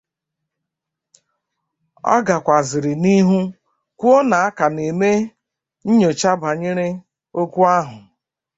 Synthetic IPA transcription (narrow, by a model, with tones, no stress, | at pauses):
ɔ̰˦ɡa˨kʷa˨zɪ˨ɾɪ˨ni˦ɦu˦ | kʷu˦o˦na˨a˦ka˨ne˨me˦ | n̩˦ɲo˨t͡ʃa˦ba˨ɲɪ˦ɾɪ˦ | o˦kʷu˦a˦ɦʊ˨